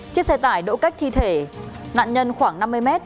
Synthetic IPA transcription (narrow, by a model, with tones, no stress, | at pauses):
t͡ɕi˦˥ək̚sɛ˧t̪aː˧˩jɗo̰˧˥ka˦˥jk̚t̪ʰi˧t̪ʰe˧˩na̰ː˧˨nɲə˧nxwaː˧˩ŋna˧mːɨ˧əjmɛ˦˥t̚